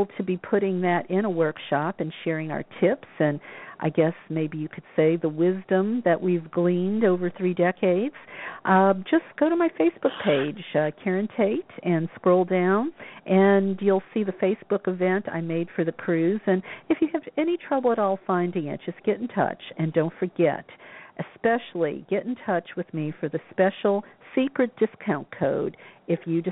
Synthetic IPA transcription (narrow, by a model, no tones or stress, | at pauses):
l̩ˠtʰɨbipʰʊɾɪ̃ŋðɨɾʔɪ̃ɾ̃əwɜ˞kʃɑpɨ̃nʃɛɹɪ̃ŋa̰ʊə˞tʰɪpsɨ̃nʔaɪɡɛsmeɪbijɨkʰɨd̥seɪðəwɪzdə̃mðɨʔwivɡlĩndoʊvə˞θɹidɛkʰeɪdz̥ʔd͡ʒʌsɡ̥oʊɾəmaɪfeɪsb̥ʊk̚pʰeɪdʒ̥kʰɛɹɨ̃ntʰeɪɾɨ̃nskɹoʊlˠdãʊ̃nʔɨ̃njulˠsiðɨfeɪsb̥ʊkɨvɛ̃ntʰa̰ɪmeɪd̥fə˞ðɨkʰɹ̥ʉz̥ɨ̃nɨfjɨːvɛñitʰɹ̥ʌbl̩ˠəɾɔlˠfãɪ̃ndɪ̃ŋɨ̰t̚d̥ʒ̥ʌsɡ̥ɛɾn̩tʰʌ̰t͡ʃɨ̃ndõʊ̃ntfə˞ɡɛ̰ɾʔɨspɛʃl̩ˠḭɡ̥ɛɾ̃n̩tʰʌt͡ʃwɨðmifə˞ðɨspɛʃl̩ˠsikɹɨt̚d̥ɨskʰãʊ̃nkʰoʊɾɨfjɨd͡ʒɨ